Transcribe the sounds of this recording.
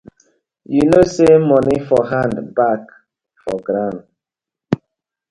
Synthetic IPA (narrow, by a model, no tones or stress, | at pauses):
junosemɔnifɔɦãndbak | fɔ̰ɡɾãn